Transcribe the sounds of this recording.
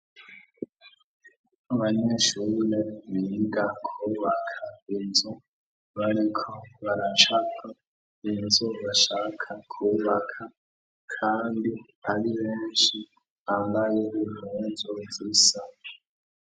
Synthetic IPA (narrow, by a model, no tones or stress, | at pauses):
aβaɲeʃuɾeniɡakʰuːβakʰainzu | βaɾikʰo̞βaɾat͡ʃakʰa | inzuβaʃaːkʰakʰuβakʰa | kʰaːndi | aɾiβeːnʃi | aβajiβuhunzovisa